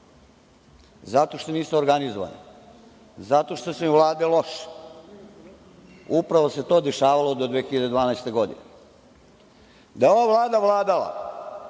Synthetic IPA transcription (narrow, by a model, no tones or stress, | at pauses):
zat̪o̞ʃt̪oniːsmooɾɡanizoʋa̰ni | zat̪o̞ʃt̪osemiʋlˠaːd̪elo̞ʃ | upɾaʋose̞t̪o̞ːd̪eʃaːʋalo̞d̪od̪ʋeːxiʎad̪ed̪ʋaːnajst̪e̞ɡo̞d̪ḭne | d̪ajeo̞ʋavlˠaːd̪aʋlˠaːd̪ala̰